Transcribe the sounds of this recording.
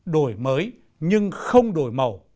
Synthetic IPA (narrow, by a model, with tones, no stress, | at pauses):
ɗo˨˩jməː˨˦j | ɲɨ˧ŋxə˧wŋ͡mɗo˨˩jmə˨˩w